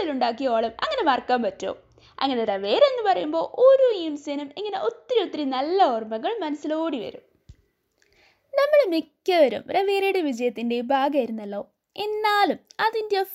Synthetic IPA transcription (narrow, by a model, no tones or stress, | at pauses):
iluɳɖaːk̬ːijoːɭɐmɐŋːɐne̞maːrkːaːmpɐtːo̰ː | ɐ̰ŋːɐne̞rɐʋeːɾe̞nːɨpɐrɐjumbo̞ːʔoɾuimsɐnumeŋːɐne̞ʔo̞t̪ːɾiot̪ːrinɐlːɐoːrmɐɣɐɭmɐnɐsːiloːɽiʋɐ̰ɾum | nɐmːɐɭmikʲːɐʋɐɾṵmrɐʋeːɾeɽeʋid͡ʑɐjɐt̪ːinde̞bʱaːɡɐjiɾunːɐlːo̞ː | e̞nːaːlumɐðindejɐ